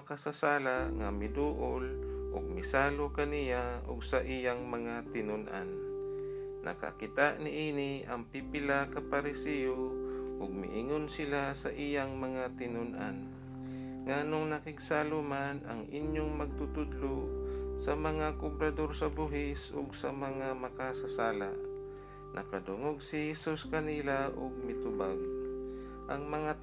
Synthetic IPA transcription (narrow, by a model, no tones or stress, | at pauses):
kasasaːlaŋamɪd̪uːʔʊlʔʊ̰ɡ̚mɪsaːlokɐnijaʔʊ̰ɡsaʔijaŋmɐŋat̪ɪnʊnʔa̰n | nʔɐ̰ka̰kɪt̪aʔnɪʔinɪʔɐŋpipɪlakapaɾɪsijoʔʊɡ̚mɪ̰ʔɪŋonsɪlasɐʔijaŋmɐŋat̪ɪnʊnʔan | ŋanoŋnɐkɪɡsalʊmanɐ̰ŋʔɪnjoŋmɐɡ̚t̪ut̪ʊd̪losɐmɐŋakʊbɾɐd̪oɾsɐbuɦɪsʊ̰ɡsɐmɐŋamɐkasɐsaːla̰ʔ | nʔɐ̰kɐd̪ʊŋoɡ̚sɪhɛsuskɐnilaʔʊɡ̚mɪt̪ʊbaɡ̚ | ʔɐŋmɐŋa